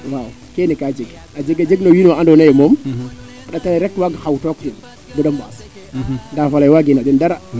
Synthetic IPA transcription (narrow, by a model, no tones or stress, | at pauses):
waukenikad͡ʒiɡad͡ʒiɡad͡ʒiɡnowinaandonajemom | aɗataiɾetwaɡahawtokdi | buɗamba̰s | ndafalajwaɡinadindaɾa